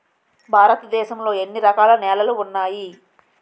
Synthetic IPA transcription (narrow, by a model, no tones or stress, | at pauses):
bʱaːɾɐt̪ɐd̪ɛːʃɐmlo̞ːe̞nːiɾɐkaːlɐnɛːlɐluːnːaːji